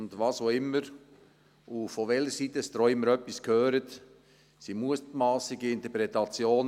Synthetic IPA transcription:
ndvɑːsoɪmːəɾ | ufovɛləɾsiːtɛst̪ɾɔɪməɾœpːɪskʰhøːɾət | siːmuətmɑːsɪɡəɪntəpɾɛtɑt͡sjoːn

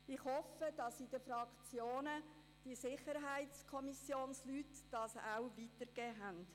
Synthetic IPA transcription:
ɪχhɔfəd̥ɑsɪd̥əfrɑkt͡sjoːnə | d̥isɪχəɾɦæɪtt͡skʰɔmisjoːnslyːtːɑsa̰wvitəɾɡ̥ɛːɦænt

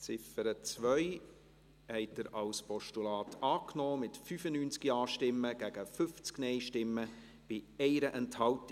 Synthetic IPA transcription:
t͡sɪfəɾət͡sʋœʏ | hɛɪt̚dəɾɑwspɔʃtulɑːtʰɑːknɔːmɪtfyfənyːnt͡skiɑːʃtɪmːəɡ̥æɡ̥əfʏft͡sknɛɪʃtɪmːə | b̥ɪɛɪɾəʔɛnthɑlt

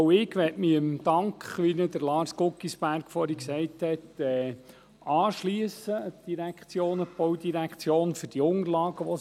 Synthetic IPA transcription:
ɪɡʋɛtmiəmd̥ɑŋkχʋinəd̪əɾlɑːɾskʊkːisb̥æɾkfɔɾhiksɛɪthɛtɛː | ɑːʃliəsəd̥iɾækχt͡sjoːnəb̥ɔwd̪iɾækχt͡sjoːnfɵɾd̥iʊŋəɾlɑːɡəʋɔ

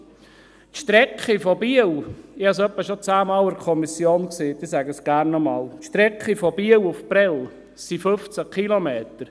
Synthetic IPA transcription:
tʃtɾɛkχifɔbiəlɪhɑs̬œpːəʃot͡sæːmɑːləɾkʰɔmisjoːnkseːtɪsæɡəsɡ̥æːɾnːɔmɑːltʃtɾɛkχifɔb̥iːəlufpɾɛl | sifɵft͡səkχilomeːt̪əɾ

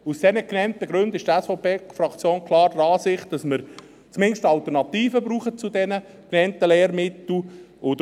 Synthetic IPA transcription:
usd̥ɛnəknɛntəɡɾʉndɪʃd̥ɛsfɔpʰeːfrɑkt͡sjoːnkʰlɑːɾdrɑːsɪχt̚d̥ɑsməɾ | t͡smɪnʃtɑlt̪əɾnɑt̪iːfəbɾuːχət͡sudɛnə | knɛntəlɛːɾmɪt̪l̩ʊd

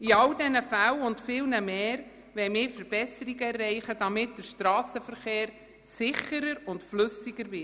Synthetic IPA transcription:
iɑldɛnəfælʊntfɪːlnəmeːɾ | ʋɛjmɪːɾfəɾb̥ɛsəɾiɡəɛrːɛɪχəd̥ɑmɪt̚d̥əʃtɾɑːsəfəɾχeːɾ | sɪχəɾəɾʊntflɵsiɡəɾvɪ

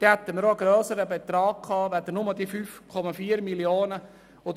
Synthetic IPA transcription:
d̪̥ɛhæt̪ːənɾoɡɾœːsəɾəbet̪ɾɑːɡ̚kʰɑːʋæd̪ənʊməd̪ifyːfkʰɔmɑfiːəɾmiljoːnə | ʊ

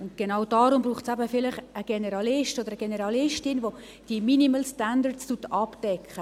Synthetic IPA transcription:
ʊntɡ̥enawd̥ɑːɾʊmbruːχtsæbəfɪlɪχəɡ̥ɛnɛɾɑlɪʃtodəɾəɡ̥enɛɾɑlɪʃtɪnvo | d̥iminiməlstandəɾstutɑpd̥ɛkʰχə

